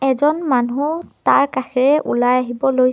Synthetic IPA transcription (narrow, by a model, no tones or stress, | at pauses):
ɛzɔnmanutaɹkaxʰɛɹɛʔṵlajaɦibɔloj